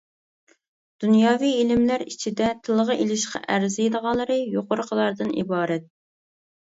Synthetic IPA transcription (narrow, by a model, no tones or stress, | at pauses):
d̪̥unjɑːwielɪmlæɾit͡ʃʰid̪ɛt̪ʰɨlˠəʁɑʔelɪʃqɑ̰ʔæɾzjed̪əʁɑlˠːəɾɨjoqʊɾʊqʰəlˠɑɾd̪ɨnḭbɑːɾɛt̪̚